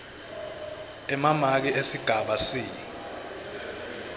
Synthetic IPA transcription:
ɛmamak̬iʔesiɡ̥ʱaɓasiː

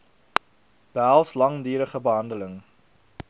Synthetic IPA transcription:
b̥ælˠslɐŋdyːɾəχəbəɦɐndələŋ

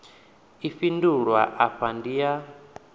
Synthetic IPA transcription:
ifinduɺwa̰ʔaɸandija

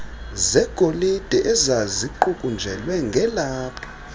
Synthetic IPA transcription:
zɛɡ̥ʱolid̥ʱɛʔɛzaziǃukʼund͡ʒʱɛlwɛŋɡʱɛlaːpʰḁ

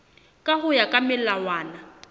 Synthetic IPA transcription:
kʼaɦʊjakʼamɪlawaːna

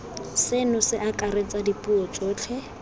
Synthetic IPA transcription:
sɪnʊsɪʔakʼaɾet͡sʼadipʼuɔt͡sʼɔːt͡ɬʰɛ

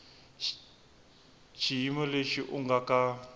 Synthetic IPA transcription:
t͡ʃʰijimɔleʃiʔʊŋɡakʼa

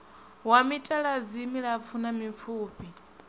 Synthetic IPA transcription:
wamitʼaɺazimiɺap̪fʰunamifuːpʰʼi

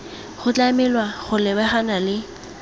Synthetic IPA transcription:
χʊt͡ɬʼamɪlwaχʊlɪbaχanalɪ

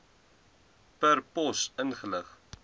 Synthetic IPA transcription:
pərpɔsənχələχ

